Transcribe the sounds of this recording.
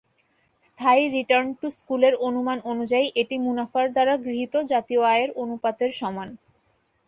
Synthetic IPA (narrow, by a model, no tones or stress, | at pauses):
st̪ʰaiɾiʈaɾnʈuskuleɾonumanonud͡ʑaiʔeʈimunafaɾd̪aɾaɡɾiɦit̪od͡ʑat̪ioaeɾonupad̪eɾʃɔman